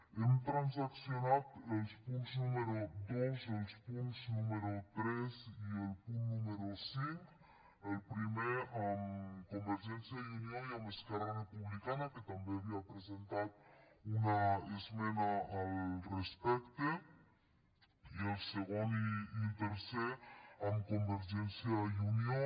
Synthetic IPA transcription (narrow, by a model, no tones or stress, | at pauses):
emt̪ɾanzaksjonat̪elspunznumeɾod̪ozelspunznumeɾot̪ɾezielpunt̪numeɾosiŋk | elpɾimeamkombeɾʒɛnsiajunioiameskaɾarepuβlikanaket̪ambeaβiapɾezent̪at̪̚unaezmenaːlrespɛkt̪e | ielseɣoniint̪eɾseɾamkombeɾʒɛnsjajunjo